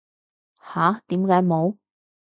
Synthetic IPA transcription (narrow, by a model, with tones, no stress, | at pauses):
haː˨˥t̪iː˨˥mkaː˨˧˥jmo˨˧w